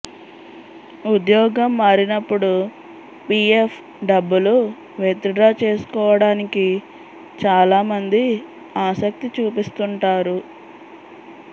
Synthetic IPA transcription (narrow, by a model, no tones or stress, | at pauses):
ud̪jɔːɡɐmːaːɾinɐpːuɽu | piepʰ | ɖɐbːulu | ʋeːt̪uɖɾaːt͡ʃe̞ːsu̥kɔːʋɐɽaːniki | t͡ʃaːlaːmɐnd̪i | aːsɐk̚t̪it͡ʃuːpist̪uɳʈaːɾu